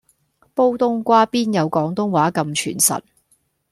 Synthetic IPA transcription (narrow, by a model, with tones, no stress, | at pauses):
po˥wt̪ʊ˥ŋkʷaː˥piː˥njɐ˨˧wkɔː˨˥ŋt̪ʊ˥ŋwaː˨˥kɐ˧mt͡ʃʰyː˨˩nsɐ̰˨t̚